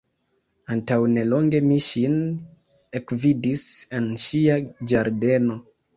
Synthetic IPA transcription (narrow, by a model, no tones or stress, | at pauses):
antawne̞loŋɡe̞miʃin | ekvidisenʃiad͡ʒaɾde̞no̞